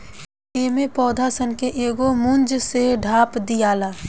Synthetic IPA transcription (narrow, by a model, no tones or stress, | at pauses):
eːmepɔːd̪ʱaːsənkeʔeːɡomʊ̃nd͡ʒseɖʱaːpd̪ijaːlaː